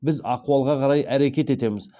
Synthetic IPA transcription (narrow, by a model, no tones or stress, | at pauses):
bɪzɑquɑlˠʁɑqʰɑɾɑjæɾe̞kʲe̞t̪e̞t̪e̞mɪz